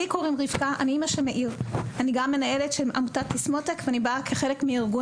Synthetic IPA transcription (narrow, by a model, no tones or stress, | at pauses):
ikoʁimʁivkaʔaniimaʃemeʔiʁaniɡamːe̞nae̞letʃelma̰mutatismo̞tekveanibakʰeχe̞lekmiiʁɡu